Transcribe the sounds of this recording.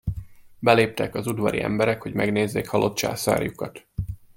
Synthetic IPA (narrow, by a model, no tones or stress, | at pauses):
bɛleːp̚t̪ɛkɒzud̪ʋɒɾḭʔɛ̰mbɛɾɛkhoɟmɛɡneːzːeːkhɒlo̞t̪t͡ʃa̰ːsa̰ːrjukɒt̪